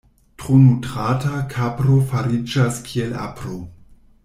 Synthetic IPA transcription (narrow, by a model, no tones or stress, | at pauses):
tɾonutɾatakʰapɾo̞faɾid͡ʒaskʰie̞la̰pɾo